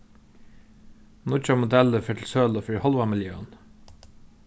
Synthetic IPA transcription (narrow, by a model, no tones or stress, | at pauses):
nʊt͡ʃɑmʊd̪ɛləfœʈʰl̩søːlofœɹhɔlʋɑmɪljøːən